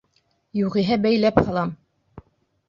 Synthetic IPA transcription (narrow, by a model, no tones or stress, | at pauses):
juʁĭɦɘbæjlæphɑlˠɑm